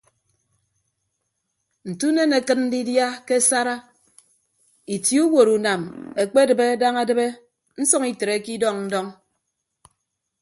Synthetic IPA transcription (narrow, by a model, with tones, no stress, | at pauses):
n̩˨tu˦ne˦ne˨kɨ˦t̚n̩˦di˦dja˦ke˦sa˦ɾa˦ | i˨tji˨˦u˦wo˨ɾu˨na˨me˨k͡pe˦dɨ˨be˦da˦ŋa˦dɨ˦be˦ | n̩˦sɔ˦ŋi˨te˨ɾe˨˦ki˦dɔ˦ŋn̩˦dɔ˦ŋ